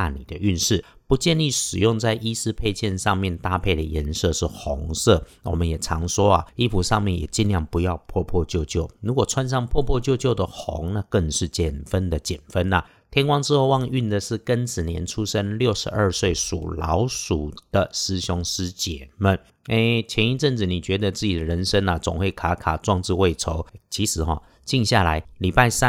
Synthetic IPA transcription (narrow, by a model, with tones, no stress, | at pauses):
a˥˩nḭ˨˩d̪ə˦ʔy˥˧nʂɻ̩˥˩ | pu˧˥t͡ɕjɛ˥˧nli˥˩ʂɻ̩˨˩jʊ˥˧ŋt͡sa˥˩ɪʔi˥sɹ̩˥˧pʰe˥˧ɪt͡ɕʰjɛ˥˧nʂɑ˥˧ŋmjɛ˥˧˨nt̪a˥˧pʰe˥˩ɪd̪ə˩jɛ˧˥nsɤ˥˧ʂɻ̩˥˩xo˧˦˥ŋsɤ˥˩ | wɔ˨˩mə˦njɛ˨˩t͡sʰɑ˧˥ŋʂwɔ˥ɐ̰˨i˥pʰu˨˩ʂɑ˥˧ŋmjɛ˥˩njɛ̰˨˩t͡ɕi˥˧nljɑ˥˩ŋpu˧˦jɑ˥˧ʊpʰwɔ˥˧pʰwɔ˥˧t͡ɕjo˥˧ʊt͡ɕjo˥˩ʊɻu˧˥kwɔ˨˩t͡sʰwa˥nʂ̬ɑ˥˧ŋpʰwɔ˥˧pʰwɔ˥˧t͡ɕjo˥˧ʊt͡ɕjo˥˩ʊd̪ə˩xo̰˧˥˦ŋna˥˧kə˥˧ŋʂɻ̩˥˩t͡ɕjɛ˨˩nfə˦nd̪ə˨t͡ɕjɛ˨˩nfə˦nɐ˨ | t̪ʰjɛ˥nkwɑ˥ŋʈ͡ʂɻ̩˥xo˥˧ʊwɑ˥˧ŋy˥˩nd̪ə˨˩ʂɻ̩˥˩kə˦nt͡sɻ̩˨˩njɛ̰˧˥nʈ͡ʂʰu˥sə˥nljo˥˩ʊʂɻ̩˧˥ʔə˞˥˧swe˥˩ɪʂṵ˨˩lɑ̰˧˥ʊʂu˨˩d̪̥ə˨˩sɹ̩˥ɕo˥ŋʂɻ̩˥t͡ɕjɛ˨˩˦mə˨˦n | e˥ɪt͡ɕʰjɛ˧˥ni˥˧ʈ͡ʂə˥˩nt͡sɹ̩˨˩ni˨˩t͡ɕɥɛ˧˥d̪ə˨t͡sɹ̩˥˩t͡ɕi˨d̪ə˨ɻə˧˥nʂə˥na˨t͡sʊ˨˩ŋxwe˥˩ɪkʰa˧˥kʰa˨˩t͡swɑ˥˧ŋt͡sɻ̩˥˧we˥˩ɪʈ͡ʂʰo˧˦ʊt͡ɕʰi˧˥ʂɻ̩˨˩˦xɔ̰˥˧ | t͡ɕi˥˧ŋɕja˥˩la˧˦ɪli˨˩pa˥˩ɪsa˦